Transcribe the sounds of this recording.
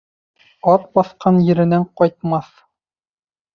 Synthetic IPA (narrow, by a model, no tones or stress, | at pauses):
ɒt̪̚bɒθqɑnjɘ̆ɾɘ̆næɴqɒjt̪̚mɑθ